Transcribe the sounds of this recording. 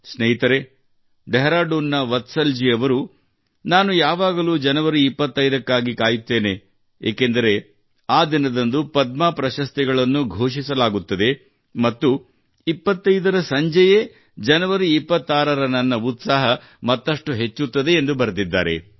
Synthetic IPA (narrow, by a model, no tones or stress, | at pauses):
snɐjit̪ɐɾe̞ | ɖeɦɾaːɖuːnːɐʋɐt̪sɐld͡ʒiɐʋɐɾu | naːnujaːʋaːɡɐluːd͡ʒɐnɐʋɐɾiːpːɐt̪ːɐjd̪ɐkːaːɡikaːjut̪ːe̞ːne̞ | eːkend̪ɐɾe̞ | aːd̪inɐd̪ɐnd̪upɐd̪̚maːpɾɐʃɐst̪iɡɐɭɐnːuɡʱoːʂisɐlaːɡut̪ːɐd̪e̞ | mɐt̪ːu | ipːɐt̪ːɐjd̪ɐɾɐsɐɲd͡ʒɐje | d͡ʒɐnɐʋɐɾiːpːɐt̪ːaːɾɐɾɐnɐnːɐut̪saːɦɐ | mɐt̪ːɐʂʈuɦe̞t͡ʃːut̪ːɐd̪e̞ːnd̪ubɐɾd̪id̪ːa̰ːɾe̞̰